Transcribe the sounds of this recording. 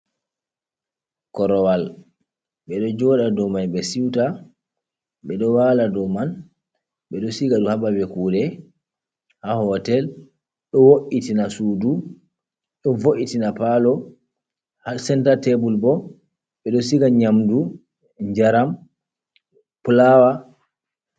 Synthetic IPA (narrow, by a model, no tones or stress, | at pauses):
kɔɾɔwal | ɓɛɗɔd͡ʒɔɗadɔmanɓɛsiwta | ɓɛɗɔwaladɔman | ɓɛɗɔsiɡaɗuhabawɛkuːɗɛ | hahɔtɛl | ɗɔwoʔitinasuːdu | ɗɔvoʔitinapalɔ | hasɛntatebulbɔ | ɓɛɗɔsiɡaɲamdu | ɲd͡ʒaɾam | pulawa